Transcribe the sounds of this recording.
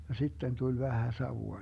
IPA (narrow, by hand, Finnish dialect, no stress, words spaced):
jɑ sitːen tulʲ ʋæhæ sɑʋuɑ